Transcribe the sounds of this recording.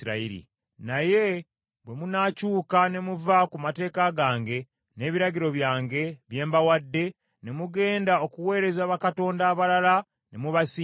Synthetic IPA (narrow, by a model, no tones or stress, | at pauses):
ɾaiɾḭ | naje̞ | βwe̞munacuːkane̞muvakumate̞ːkaɡaːŋɡe̞ | ne̞ːβiɾaɟiɾo̞βjaːŋɡe̞βje̞ːmbawadːe̞ | ne̞muɡe̞ːndao̞kuwe̞ːɾe̞zaːβakato̞ːndaːβalala | ne̞muβasi